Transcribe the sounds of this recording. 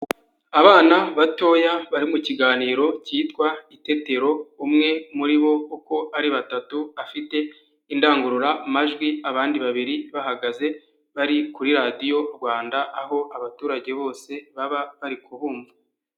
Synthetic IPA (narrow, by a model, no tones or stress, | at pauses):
aβaːnaβato̞ːjaβaɾimuciɡaːniːɾo̞ciːtkwaite̞te̞ɾo̞umŋe̞muɾiβo̞uko̞ʔaɾiβatatuafite̞ | indaːŋɡuɾuɾamaʒɡwiaβaːndiβaβiɾiβahaɡaze̞ | βaɾikuɾiɾadijo̞ɾɡwaːndaːɦo̞ʔaβatuːɾaɟe̞βo̞ːse̞βaβaβaɾikʰuhuːɱvu